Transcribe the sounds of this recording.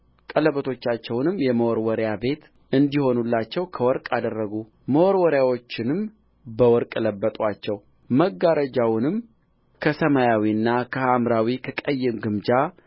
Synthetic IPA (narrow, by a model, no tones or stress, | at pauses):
kʼələβət̪ʰo̞t͡ʃːat͡ʃːɛwnɨmjɛməwɔɾwɔɾjabe̞t̪ | ɨnd̪iho̞nulːat͡ʃːɛwkʰəwɔɾkʼad̪ərːəɡu | məwɔɾwɔɾjawot͡ʃːɪnɨm | bəwɔɾkʼɨləbːət̪ʼwat͡ʃːɛw | məɡːaɾəd͡ʒawnɨm | kʰəsəmajawiɨnːakʰəhamɾawikʰəkʼəjːɪmɡɨmd͡ʒa